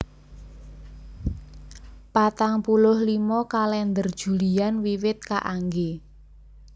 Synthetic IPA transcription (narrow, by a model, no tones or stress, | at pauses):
pat̪aŋpulʊhlimɔkalɛnd̪ərd̥ʒ̥ṳlianwiwɪt̪̚kaʔaŋɡe